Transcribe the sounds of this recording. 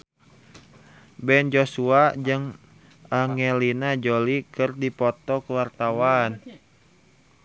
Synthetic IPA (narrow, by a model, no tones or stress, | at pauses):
bɛnd͡ʒosuad͡ʒɨŋ | ʔaŋɛlinad͡ʒolikɨrdipɔt̪ɔkəwart̪awan